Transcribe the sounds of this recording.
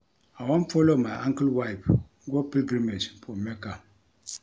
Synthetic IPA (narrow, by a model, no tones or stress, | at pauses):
awãnfɔlomajʔãŋkəlwajp | ɡɔpilɡɾimed͡ʒfɔmɛka